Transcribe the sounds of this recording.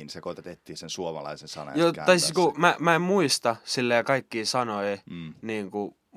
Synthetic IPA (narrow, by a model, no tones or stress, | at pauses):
insekot̪et̪et̪ːiːnsensuomɑ̰lɑ̰isensɑ̰nɑ̰jott̪ɑisiskumæmæemmuist̪ɑsilːejkɑikːiːsɑnoiniːŋku